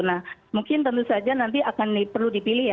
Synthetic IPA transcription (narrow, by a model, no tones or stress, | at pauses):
nahmuŋkɪnt̪ənt̪usad͡ʒanant̪̬iakanipərludipilɪɦja